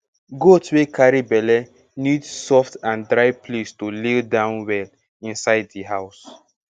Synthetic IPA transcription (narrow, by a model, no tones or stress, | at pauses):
ɡotʰwekʰaɹibɛlɛ | nidsɔftãndɹaɪpʰlestuleldãʊ̃nwɛl | ĩnsaɪddiɦaʊs